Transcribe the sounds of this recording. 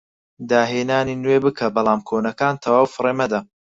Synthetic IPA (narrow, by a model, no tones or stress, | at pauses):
d̪aːɦeːnaːninweːbɨkʰɐbɑlˠaːmkʰoːnɐkaːnt̪ʰɐwaːwfɨreːmɐd̪ɐ